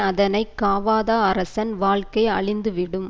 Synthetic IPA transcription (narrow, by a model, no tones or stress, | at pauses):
ɐðɐnɐɪkːaːʋaːðaːɐɾɐsɐnʋaːɭkɐɪɐɭɪnd̪ɯʋɪɽɯm